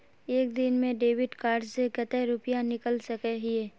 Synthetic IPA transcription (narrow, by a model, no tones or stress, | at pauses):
eːkd̪ɪnmẽɖeːwɪɖkaːɾɖseɡɐt̪eɾʊpijanɪkəlsɐkeɦieː